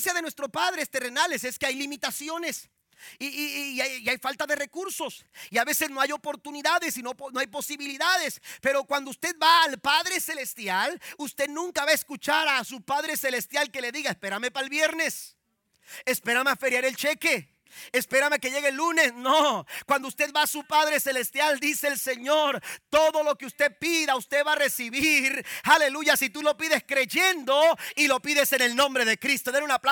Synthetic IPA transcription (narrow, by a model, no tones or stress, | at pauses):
sjaðenwest̪ɾo̞paðɾe̞st̪e̞re̞nale̞seskeajlimit̪asjo̞ne̞s | iaiajfalt̪aðe̞re̞kuɾso̞siaβe̞se̞zno̞ajo̞po̞ɾt̪uniðaðesinopnoajpo̞siβiliðaðe̞spe̞ɾo̞kwand̪oust̪e̞ðbaːlpaðɾe̞se̞le̞st̪jalust̪e̞ðnũŋkaβaeskut͡ʃaɾasupaðɾe̞se̞le̞st̪jalke̞le̞ðiɣaespe̞ɾamepaelβje̞ɾne̞s | espeɾamafe̞ɾjaɾelt͡ʃekeː | speɾamekeʝe̞ɣelːunesnokwand̪oust̪eð̚βaːsupaðɾe̞se̞le̞st̪jald̪ise̞ːlse̞ɲo̞ɾt̪o̞ðo̞lo̞keust̪e̞piðaust̪eβaːre̞siβiɾhale̞luʝasit̪ulo̞piðe̞skɾe̞ʝend̪o̞ilo̞piðe̞se̞ne̞lnõ̞mbɾe̞ðe̞kɾist̪o̞ðenunapla